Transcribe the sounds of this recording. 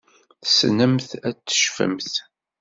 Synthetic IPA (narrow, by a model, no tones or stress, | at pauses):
θsnəmθæt͡sːə̥ʃfə̰mθ